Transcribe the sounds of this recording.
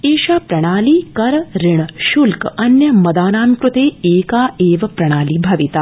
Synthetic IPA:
eːʃaːpɾɐɽ̃aːliːkɐɾɾɪɳʃulkɐnjɐmɐd̪aːnaːmkɾʊt̪eːeːkaːeːʋɐpɾɐɽ̃aːliːbʱɐʋit̪aː

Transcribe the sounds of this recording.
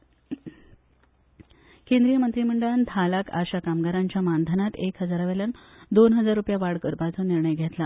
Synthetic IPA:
kẽnd̪ɾijəmənt̪ɾiməɳɖəɭant̪ʰalaka̰ɕakamɡaɾaɲt͡ɕjamand̪ʱənat̪ekɦəd͡zaɾaʋeljand̪onɦəd͡zaɾːupjaʋaɽkəɾpat͡sɔniɾɳəjɡʱet̪la

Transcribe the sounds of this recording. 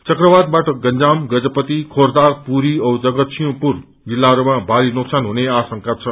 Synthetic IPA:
t͡sʌkrʌbad̪̚baʈʌɡʌnd͡zamɡʌd͡zʌpʌt̪ikʰord̪arpuɾiʌwd͡zʌɡʌt̪sijõpur | d͡zilːaɦʌɾumabʱaɾinoksanɦuneasʌŋkat͡sʰʌ

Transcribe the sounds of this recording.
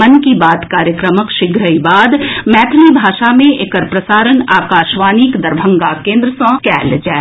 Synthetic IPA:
mɐnkibaːt̪kaːɾjəkɾəməkʃɪɡɾəibaːd̪mɛːt̪ʰnibʱaːʃamẽʔekəɾpɾɐsaːɾənaːkaːʃʋaːniːkd̪ɐɾbʱə̃ŋɡakẽːnd̪ɾəsɔ̃ːkɛːld͡ʒaː

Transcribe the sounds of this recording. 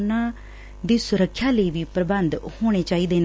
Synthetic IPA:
nãː | d̪iːsʊɾəkʰʃjaːləiːʋiːpɾəbənd̪hoːɽ̃eːt͡ʃaːiːd̪eːn

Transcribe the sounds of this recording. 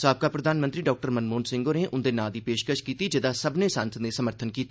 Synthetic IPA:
saːb̚kaːpɾəd̪aːnmə̃nt̪ɾiːɖɔːk̚ʈəɾmənmoːnsɪ̃ŋɡoːneːʔʊnd̪eːnaːd̪iːpeːʃkəʃkiːt̪iːd͡ʒɪd̪aːsəbneːsãːnsəneːsəməɾt̪ʰənkiːt̪a

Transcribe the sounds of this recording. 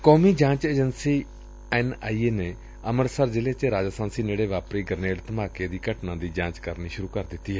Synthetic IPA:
kɔːmiːd͡ʒãːt͡ʃeːd͡ʒənsiː | ɛːnaːiːeːneː | əməɾsəɾd͡ʒɪleːt͡ʃeɾaːd͡ʒaːsaːnsiːneːɽeːʋaːpɾiːɡəɾneːɽt̪əmaːkeːd̪iːkəʈnãːd̪iːd͡ʒãːt͡ʃkəɾniːʃʊɾuːkəɾd̪ɪt̪ːiːɦɛː

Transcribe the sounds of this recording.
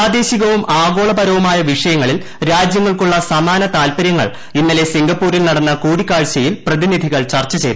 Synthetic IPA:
aːd̪e̞ːɕiɣɐʋumʔaːɡo̞ːɭɐbɐɾɐʋumaːjɐʋiʂɐjɐŋːɐɭil | ɾaːd͡ʑjɐŋːɐɭkuɭːɐsɐmaːnɐt̪aːlpɐɾjɐŋːɐ̰ɭ | inːɐle̞siŋɡɐpːuːɾilnɐɽɐnːɐkuːɽikːaːɻt͡ɕːɐjilprɐðinid̪ʱiɣɐɭt͡ɕɐrt͡ɕːɐt͡ɕe̞jt̪ːu

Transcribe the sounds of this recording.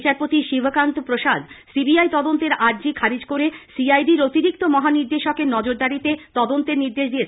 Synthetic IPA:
t͡ɕaɾpot̪iʃibʱkant̪opɾoʃad̪sibiajt̪ɔd̪ont̪eɾaɾd͡ʑikʰaɾid͡ʑkoɾesiajɖiɾot̪iɾik̚t̪omɔɦaniɾd̪eʃokeɾnɔd͡ʑoɾd̪aɾit̪et̪ɔd̪ont̪eɾniɾd̪eʃd̪ijet͡ɕʰ

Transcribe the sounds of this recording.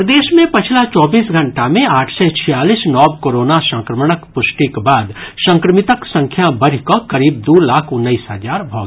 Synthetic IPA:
d̪eːʃmẽpɐt͡ʃʰlat͡ʃɔːbiːsɡʱɐ̃ɳʈamẽaːʈʰset͡ʃʰijaːliːsnɔːb̚koːɾoːnasɐ̃ŋkɾəməɽ̃əkpʊʃʈikbaːd̪ʃɐ̃ŋkɾəmɪt̪əksɐ̃ŋkʰjabɐɾikokɐɾiːb̚d̪uːlaːkʰʊnːəiːsɦɐzaːɾbʱɔ̰ːɡ

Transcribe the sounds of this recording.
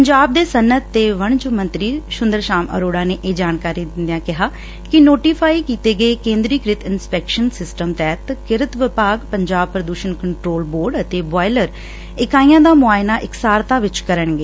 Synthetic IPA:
pəɲd͡ʒaːb̚d̪eːsənːət̪ːeːʋəɳ̃d͡ʒomə̃nt̪ɾiːʃʊnd̪əɾʃaːmə̰ɾoːɽaːneːʔeːd͡ʒaːnkaːɾiːd̪ɪnd̪ejãːkɪɦaː | kɪnoːʈiːpʰaːiːkiːt̪eːɡəekẽːnd̪ɾiːkɾɪt̪ɪnspɛːkʃənsɪsʈəmt̪ɛːt̪kɪɾɪt̪ʋɪpaːɡpəɲd͡ʒaːb̚pɾəd̪uːʃənkəɳʈɾoːlboːɾɖət̪eːbaːɪləɾ | ɪkaːiːãːd̪aːmʊaːɪnaːʔɪksaːɾt̪aːʋɪt͡ʃkəɾəɳɡeː

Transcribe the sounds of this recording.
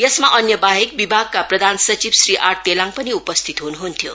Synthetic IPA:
jʌsmaʔʌnjʌbaɦekbibʱaɡ̚kaprʌd̪ʱansʌt͡sibsriʔaʈ̚t̪elãŋpʌniupʌst̪ʰit̪ɦunuɦunt̪ʰjo

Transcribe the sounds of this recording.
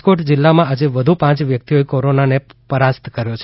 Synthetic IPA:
koʈd͡ʒɪlːamãad͡ʒeʋəd̪ʱupãt͡ʃʋjək̚t̪ioekoɾonanepəɾast̪kəɾjot͡ʃʰ

